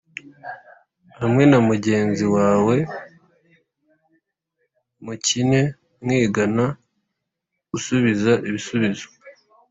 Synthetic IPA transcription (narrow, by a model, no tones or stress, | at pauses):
hamŋe̞namuɟe̞ːnziwaːwe̞ | mucine̞ | mŋiːɡana | ɡ̥usuβizaʔiβisuβizo